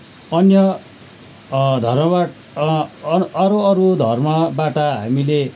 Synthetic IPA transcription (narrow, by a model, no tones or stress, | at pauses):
ʌnjʌ | d̪ʱʌrmʌba | ʌɾoʌɾud̪ʱʌrmʌbaʈaɦamile